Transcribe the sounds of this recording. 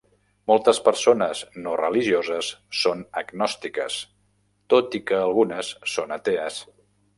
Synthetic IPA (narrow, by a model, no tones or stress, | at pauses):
molˠt̪əspəɾsonəznorəliʒiozəsːonəɡnɔst̪ikə̰s | t̪ot̪ikəːlˠɣunəsːonət̪eəs